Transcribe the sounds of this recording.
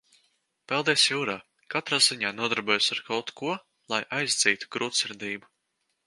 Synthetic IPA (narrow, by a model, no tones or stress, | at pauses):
pɛlˠd̪iɛsjuːɾaː | kat̪ɾaːziɲaːnuɔd̪aɾbuɔjsaɾkawt̪kuɔ | lˠajʔajzd̪ziːt̪u̥ɡ̥ɾuːt̪sɨɾd̪iːbu